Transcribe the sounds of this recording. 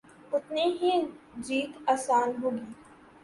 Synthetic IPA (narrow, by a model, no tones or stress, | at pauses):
ʊt̪neɦi | d͡ʒiːt̪aːsaːnɦoːɡiː